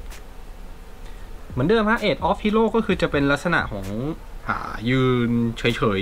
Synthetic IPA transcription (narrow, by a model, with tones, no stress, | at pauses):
mɯ˩˦əndɯː˧mpʰhaː˦˥ʔeː˨˩t̪̚ʔɔː˦˥p̚ʰiː˥˩loː˥˩kɔ˥˩kʰɯː˧t͡ɕa˨˩pe˧nla˦˥t̪̚sa˧na̰˨˩ʔkʰɔː˩˦ŋʔa̰ː˧˩jɯː˧nt͡ɕʰɤː˩˦jt͡ɕʰɤː˩˦j